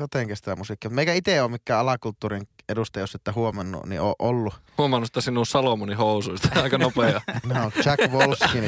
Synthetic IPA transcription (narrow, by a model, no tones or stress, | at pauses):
jot̪eˑŋkæsi̥t̪æmusikːimut̪meikæit̪eˑoːmikːæːʔɑlɑkult̪ːuːrinedust̪ɑjoset̪ːæhuomɑnːṵnḭo̰ːʔʔolːuhuomɑnːust̪ːæsinːusɑlomunihoˑusuist̪ɑɑˑikɑnopeɑnot͡ʃækʋolskin